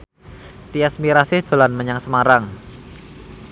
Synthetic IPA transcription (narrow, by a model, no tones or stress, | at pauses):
t̪iɛsmiɾasɪhʒ̥a̤lanməɲaŋsəmaɾaŋ